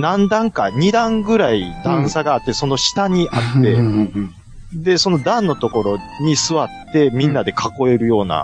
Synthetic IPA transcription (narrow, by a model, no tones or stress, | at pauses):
nãnd̪ãŋkaɲ̟id̪ãŋɡɯ̟ɾaid̪ãɰ̃saɡaːt̪ːe̞so̞no̞ɕi̥t̪aɲ̟iʔat̪ːe̞ | d̪e̞so̞no̞d̪ãnːo̞t̪o̞ko̞ɾo̞ | ɲ̟isɨβat̪ːe̞mʲĩnːad̪e̞kʰako̞e̞ɾɯ̟jo̞ːna̰